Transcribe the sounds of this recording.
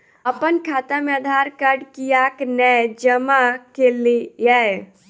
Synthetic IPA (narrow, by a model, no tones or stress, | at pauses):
əpənkʰat̪ameəd̪ʱaɾkəɾɖkijaknɛjd͡ʒəmakelijaj